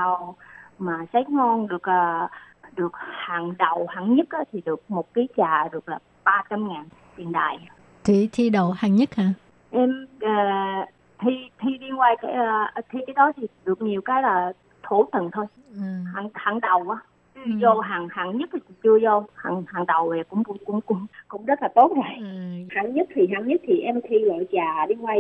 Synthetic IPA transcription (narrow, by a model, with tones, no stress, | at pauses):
a˨˩wmaː˨˩sa˨˦jŋɔ˧nɗɨ˨˩ək̚ʔəː˨˩ɗɨ˨˩ək̚haː˨˩ŋɗə˨˩whaː˨˩ŋɲə˦˥t̚ʔaː˨˦t̪ʰi˨˩ɗɨ˨˩ək̚mo˨˩t̚kaː˨˦jt͡ɕaː˨˩ɗɨ˨˩ək̚laː˨˩ | ɓaː˧t͡ɕa˧mŋaː˨˩n | t̪wḭ˨˩ənɗa̰ː˨˩j | t̪ʰi˨˧˩t̪ʰi˧ɗo˨˩haː˨˩ŋɲə˦˥t̚haː˨˩ | ʔɛ˧məː˨˩ | t̪ʰi˧t̪ʰi˧ɗi˧ŋwaː˧jkaː˨˦jt̪ʰi˧kaː˨˦jɗɔ˨˦t̪ʰi˨˩ɗɨ˨˩ək̚ɲi˨˩əwkaː˨˦jlaː˨˩ | t̪ʰo˧˩˦t̪ə̰˨nt̪ʰo˧j | ha˧˩ŋhaː˧˩ŋɗə˨˩wʔaː˨˦ | t͡ɕɨ˧zo˧ɦaː˨˩ŋhaː˨˩ŋɲə˦˥t̚t̪ʰi˨˩t͡ɕi˧˨˩t͡ɕɨ˧əzo˧ha̰˨˩ŋhaː˨˩ŋɗə˨˩wa˨˩kʊ̰˧˥ŋ͡mʊ˧˦ŋ͡mkʊ̰˧˥ŋ͡mkʊ̰˧˥ŋ͡mkʊ̰˧˥ŋ͡mzə˦˥t̚laː˨˩t̪o˦˥t̚a˨˩jhaː˨˩ŋɲə˦˥t̚t̪ʰi˨˩ɦaː˧˩ŋɲə˦˥k̚t̪ʰi˨˩ʔɛ˧mt̪ʰi˧lo̰˧˨jt͡ɕaː˨˩ɗi˧ŋwaː˧j